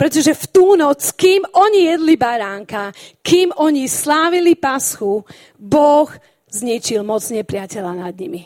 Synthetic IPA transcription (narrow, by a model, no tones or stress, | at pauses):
pɾɛt̪ɔʒɛft̪uːnɔt͡skiːmɔɲijɛd̪libaɾaːŋkakiːmɔɲislaːʋilipasxu | bɔɣ | zɲit͡ʃilmɔt͡sɲɛpɾɪacɛʎanad̪ɲimi